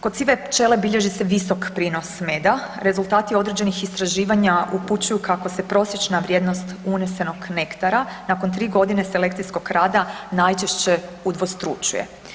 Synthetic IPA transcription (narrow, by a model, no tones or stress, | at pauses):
kod̪siːʋe̞pt͡ʃe̞le̞biʎe̞ʒise̞ʋiso̞kpɾiːno̞sme̞d̪aɾe̞zulˠt̪aːt̪io̞d̪ɾe̞d͡ʑe̞nixist̪ɾaʒiːʋaɲaʔuput͡ɕujukako̞se̞pɾo̞sjet͡ʃnaʋɾʲje̞ːd̪no̞st̪unese̞no̞ɡne̞kt̪aɾanako̞nt̪ɾiːɡo̞d̪ine̞se̞le̞kt̪sijsko̞ɡɾaːd̪anajt͡ʃeʃt͡ɕe̞ud̪ʋo̞st̪ɾṵt͡ɕṵje̞̰